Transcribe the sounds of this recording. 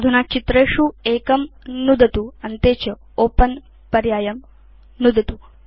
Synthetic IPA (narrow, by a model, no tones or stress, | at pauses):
d̪ʱunaːt͡ʃit̪ɾeːʂueːkɐmnud̪ɐt̪uɐnt̪eːt͡ʃɐ | oːpɐn | pɐɾjaːjɐm | nud̪ʱɐt̪u